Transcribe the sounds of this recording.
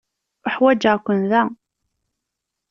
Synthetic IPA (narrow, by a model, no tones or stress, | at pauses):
əħwæd͡ʒəʁkʷːənðæ